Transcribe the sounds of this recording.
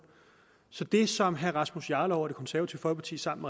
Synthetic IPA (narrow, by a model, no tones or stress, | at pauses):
sɒ̽d̥e̝sɒ̽mɦæɐʁɑ̈smusjɑ̈ːləɒʊ̰ɐd̥e̝kʰɒ̽nsæɐʋɐt͡sʰiʊ̰fɒ̽lpʰɑ̈t͡sʰḭːsɑ̈m̰nme